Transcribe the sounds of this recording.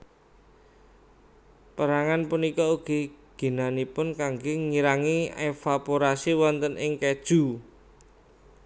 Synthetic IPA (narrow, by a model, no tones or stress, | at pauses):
pəɾaŋanpunikɔuɡ̥i̤ɡ̥i̤nanipʊnkaŋɡoŋiɾaŋiefapoɾasiwɔnt̪ənʔɪŋkɛd̥ʒ̥ṳ